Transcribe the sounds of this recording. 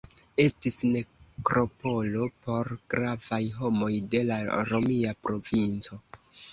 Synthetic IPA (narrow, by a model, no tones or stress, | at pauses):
e̞stisne̞kɾo̞po̞lopo̞ɾɡ̥ɾavajɦo̞mo̞jde̞laɾo̞miapɾo̞vint͡so̞